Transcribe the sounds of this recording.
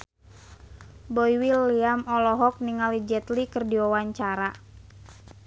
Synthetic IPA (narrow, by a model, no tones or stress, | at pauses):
bɔjwilːiamɔlɔɦɔk̚niŋalid͡ʒɛt̪likɨrdiawaɲt͡ʃaɾa